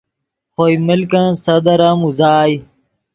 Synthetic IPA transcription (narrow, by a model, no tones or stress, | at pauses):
xoimɪlkãːsɐd̪ɐɾãːmuzaːj